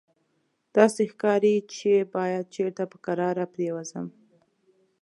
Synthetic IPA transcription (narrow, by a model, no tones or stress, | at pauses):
d̪̥ɑsexkɑɾit͡ʃebɑjad̪̚t͡ʃeɾt̪apə̥kaɾɑɾapɾewazə̰m